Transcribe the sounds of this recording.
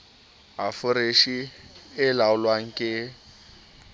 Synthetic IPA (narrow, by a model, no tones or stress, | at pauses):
ɦafʊɾeʃiɪlaʊlwaŋ̩kʼɪ